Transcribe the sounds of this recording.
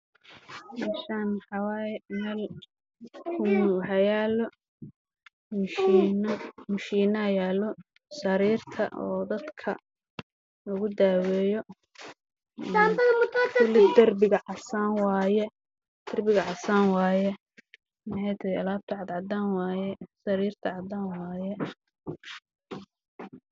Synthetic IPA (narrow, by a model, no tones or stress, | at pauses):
maʃaːnmħɑwaːjɛmɛːl | kʰʊħɐjaːlɔ | mnmʊʃiːnɐjaːlɔ | sɐɾiːrt̪ʰɐ̰ʔɔ̰ːd̪ɐd̪kʰɐ̰ | lɐɣʊd̪aːwɛːjɔ | ant̪ɐmʊt̪ʰat̪ʊlɪd̪ɐrbɪɣɐʕɑsaːnwɑːjɛ | d̪̥ɐrbɪɣɐʕɑsaːnwɑːjɛ | mħɛjt̪ʰɐhjɐlaːb̚t̪ʰɐʕɑd̪ʕɑd̪aːnwɑːjɛsɐɾiːrt̪ʰɐʕɑd̪aːnwaːjɛ